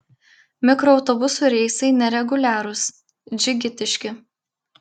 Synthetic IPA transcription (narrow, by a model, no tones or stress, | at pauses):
mʲɪkɾɔɒʊt̪ɔbʊsuːˑɾʲɛɪsɐɪnʲɛɾʲɛɡʊlʲæːɾʊs | d͡ʒʲɪɡʲɪt̪ʲɪʃʲkʲɪ